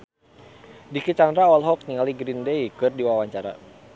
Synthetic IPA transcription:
dikit͡ʃandɾaalɦɔk̚ɲiŋaliɡɾindeikɨrdiwawaɲt͡ʃaɾa̰

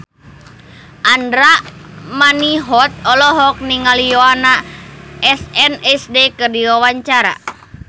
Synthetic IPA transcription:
ʔandɾamaniɦɔt̪̚ɔlɔɦɔk̚niŋalijoana | ɛsɛnɛsdekɨrdiwawaɲt͡ʃaɾa̰

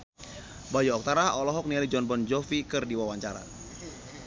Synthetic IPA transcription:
bajuɔk̚t̪aɾaɔlɔɦɔk̚nilid͡ʒɔnbɔnd͡ʒɔfikɨrdiwawaɲt͡ʃaɾa̰

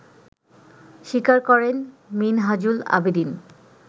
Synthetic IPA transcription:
ʃikaɾkɔɾenminɦad͡ʑula̰bid̪in

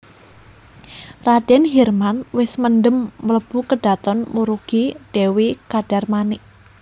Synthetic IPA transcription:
rad̥ɛnɦɛrmanwɪsməndəmːələb̥ukəɖ̥a̤t̪ɔnmuɾuɡ̥iɖ̥ewekaɖ̥a̤rmanɪʔ

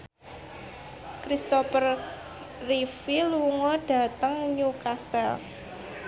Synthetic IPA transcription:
kɾist̪ɔfər | rifilwuŋɔɖ̥ä̤t̪əŋɲukast̪ɛl

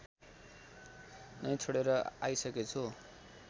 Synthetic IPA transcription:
nʌjt͡sʰoɽeɾʌa̰jsʌket͡sʰu

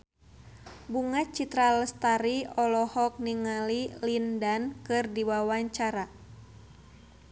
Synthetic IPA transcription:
buŋat͡ʃit̪ɾaləst̪aɾiɔlɔhɔk̚niŋalilindankɨrdiwawaɲt͡ʃaɾa

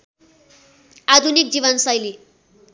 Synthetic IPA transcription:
ad̪ʱunik̚d͡ziβʌnsʌjli

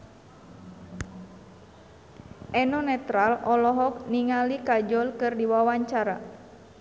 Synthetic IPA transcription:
ʔɛnɔnɛt̪ɾalɔlɔɦɔk̚niŋalikad͡ʒɔlkɨrdiwawaɲt͡ʃaɾa̰

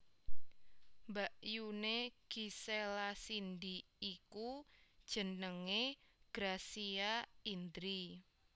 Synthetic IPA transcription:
mbaʔjuneɡ̥iselasind̪iːkud̥ʒ̥ə̤nəŋeɡ̥ɾasiaind̪ɾi

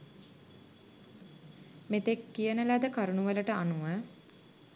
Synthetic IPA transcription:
met̪ekːijənəlæd̪əkaɾunuʋələʈəanuʋə

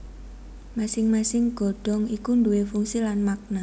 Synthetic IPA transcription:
masɪŋmasɪŋɡ̥ɔ̤ɖ̥ɔ̤ŋikunduwefuŋsilanmak̚na

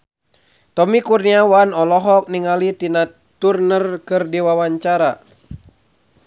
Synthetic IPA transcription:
t̪ɔmikurniawanɔlɔɦɔk̚niŋalit̪ina | t̪urnərkɨrdiwawaɲt͡ʃaɾa

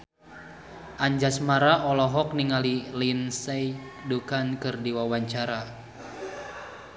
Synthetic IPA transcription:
ʔaɲd͡ʒasmaɾaʔɔlɔɦɔk̚niŋalilinsɛjdukankɨrdiwawaɲt͡ʃaɾa

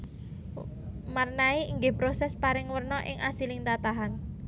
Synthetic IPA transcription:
marnaiiŋɡɪhpɾosɛspaɾɪŋwərnɔʔɪ̰ŋʔasilɪŋt̪at̪aɦan

